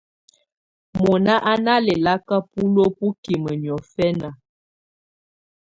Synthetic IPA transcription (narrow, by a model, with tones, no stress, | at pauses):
mɔ˨na˦ʔa˦na˦lɛ˨la˦ka˦pu˦lo˦pu˦ki˨mə˨njɔ˨fɛ˦na˨